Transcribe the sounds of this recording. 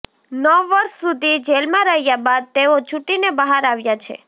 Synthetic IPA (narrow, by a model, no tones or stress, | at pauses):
nəʋːəɾʃsud̪ʱid͡ʒelmãɾəɦjabad̪̚t̪eot͡ʃʰuʈinebəɦaɾaʋjat͡ʃʰḛ